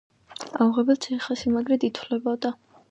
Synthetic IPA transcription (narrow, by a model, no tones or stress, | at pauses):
auʁɛbɛlt͡ʃ̪ʰɛχasimaɡɾɛd̪it̪ʰvlɛbɔd̪a